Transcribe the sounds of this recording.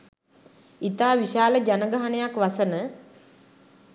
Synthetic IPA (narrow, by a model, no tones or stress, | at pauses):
it̪aːʋiʃaːləd͡ʒanəɡaɦanəjakʋasənə